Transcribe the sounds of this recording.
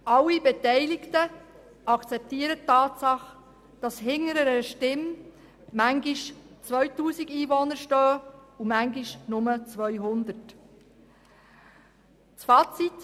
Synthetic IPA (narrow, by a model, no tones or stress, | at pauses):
ʔɑlːibɛtɛɪlɪktə | ɑkt͡sɛp̚tiːəɾətːɑːtsɑχ | d̥ɑshɪŋːəɾəɾəʃtɪm | mæŋɡiʃt͡svœʏtuːsiɡiːvɔnəɾʃtœːumæŋɡiʃnʊmət͡sʋœʏɦʊnd̪ət | t͡sfɑːt͡sit